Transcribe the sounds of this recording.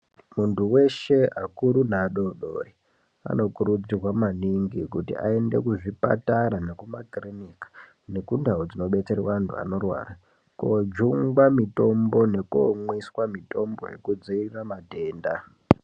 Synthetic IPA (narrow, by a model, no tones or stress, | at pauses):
muntʰuwe̞ʃe̞akuɾunaɗoɗo̰ri | a̰no̞kuɾud͡zirwamaniŋɡikutḭʔa̰e̞nde̞̰kuʐipa̰taɾanekumakrinikḁ | ne̞kundʱaod͡zino̞ɓe̞t͡seɾewaantʰṵa̰no̞rwa̰ːra | ko̰d͡ʒuŋɡwamito̞mbo̞ne̞koŋwiswamito̞mbo̞̰je̞̰kud͡ziiriramadʱe̞ːnda